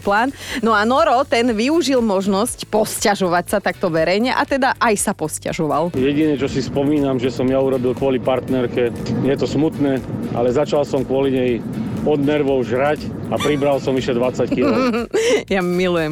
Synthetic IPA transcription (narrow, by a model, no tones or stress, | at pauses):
plaːnnɔanɔɾɔt̪ɛnʋiuʒilmɔʒnɔscpɔscaʒɔʋacsat̪ak̚t̪ɔʋɛɾɛjɲɛʔat̪ɛd̪aʔajsapɔsca̰ʒɔʋaljɛɟinɛt͡ʃɔsispɔmiːnamʒɛsɔmjauɾɔbilkʊɔlipaɾt̪nɛɾkɛjɛt̪ɔsmut̪nɛːʔa̰lɛzat͡ʃalsɔmkʊɔliɲɛj | ɔd̪nɛɾʋɔʊʒɾac | apɾibɾalsɔmʋiʃɛd̪ʋat͡sːacxil | jamilujɛm